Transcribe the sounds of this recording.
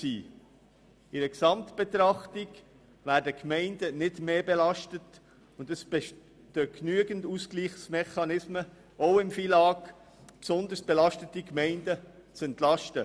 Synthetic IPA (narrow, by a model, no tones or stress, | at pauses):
siː | ɪdəksɑmtb̥ɛt̪ɾɑχtiɡ | væːɾdəkmɛɪndənɪdmeːbɛlɑʃtət | ʊndəs | təknyəɡənduːskliːχsmɛχɑnɪsmə | ʔoʊɪmfilɑːɡ | psɔnd̪əɾsb̥ɛlɑʃtətikmɛɪndət͡sɛnt̪lɑʃtə